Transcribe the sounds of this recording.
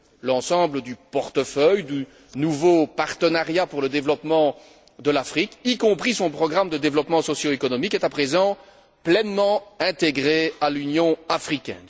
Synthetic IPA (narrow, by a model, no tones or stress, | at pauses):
lɑ̃sɑ̃bləd̪ypɔʁt̪əfœjd̪y | nuvopaʁt̪ənaʁjapuʁləd̪evlɔpmɑ̃ | d̪əlafχikikɔ̃pχisɔ̃pχɔɡʁamd̪əd̪evlɔpmɑ̃sɔsjoekɔnɔmikɛt̪apχezɑ̃ | plɛnmɑ̃ɛ̃t̪eɡʁealynjɔ̃afχikʲɛ̰n